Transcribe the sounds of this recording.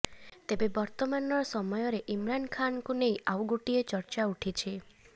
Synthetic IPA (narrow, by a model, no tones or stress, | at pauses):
t̪ebebɔɾt̪ɔmanɔɾɔsɔmɔjɔɾeʔimɾankʰanɔkunejʔawɡoʈiet͡ʃɔɾt͡ʃauʈʰit͡ʃʰi